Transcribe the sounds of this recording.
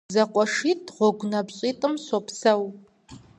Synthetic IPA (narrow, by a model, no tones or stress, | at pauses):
zɐqʷʼɔʂitʰʼʁʷɔɡʷnɐpɕʼitʼɨmsɔpʰsɐw